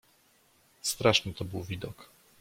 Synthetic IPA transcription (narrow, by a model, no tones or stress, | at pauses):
st̪ɾaʂnɘt̪ɔbɘwvʲid̪ɔk